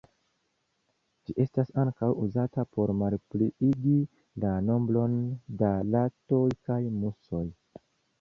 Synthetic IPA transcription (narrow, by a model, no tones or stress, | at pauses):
d͡ʒiʔe̞stasaŋkawuzatapo̞ɾmalpliiɡi | lano̞mbɾo̞ndalato̞jkajmuso̞j